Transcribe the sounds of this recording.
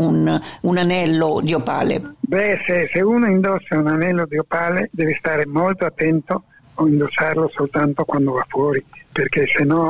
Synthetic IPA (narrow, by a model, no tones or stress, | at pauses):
ununanɛlːod̪iopa̰ːlḛbɛseseuːnoind̪osːaunanɛlːod̪iopaːled̪ɛːvist̪aːɾemolt̪oat̪ːɛnt̪o | oind̪osarlosolt̪ant̪okwand̪ovafːwɔːɾiperk̟esenːɔ